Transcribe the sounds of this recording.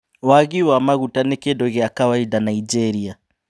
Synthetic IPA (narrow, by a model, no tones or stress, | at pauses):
waɣiwamaɣutanɛkedɔɣeakawaidanaid͡ʒɛɾia